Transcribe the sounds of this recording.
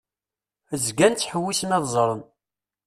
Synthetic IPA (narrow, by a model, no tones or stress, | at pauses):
əzɡænt͡sːħəwːismæðˤzˤɾˤən